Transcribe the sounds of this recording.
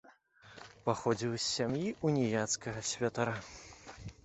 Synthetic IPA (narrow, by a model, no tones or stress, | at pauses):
paxɔd͡zʲilʲˠsʲːamjiʔunʲɛjat̪skɐɣɐsʲvʲat̪aɾa